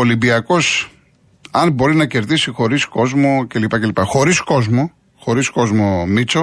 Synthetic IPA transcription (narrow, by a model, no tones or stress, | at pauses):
olimbiɐko̞s | ɐnbo̞ɾinɐce̞ɾðisixo̞ɾisko̞zmo̞ce̞lipɐcelipɐxo̞ɾisko̞zmo̞ | xo̞ɾisko̞zmo̞mit͡so